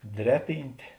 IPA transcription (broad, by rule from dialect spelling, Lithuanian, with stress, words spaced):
ˈdʲrʲæːˌpʲiːnʲtʲeː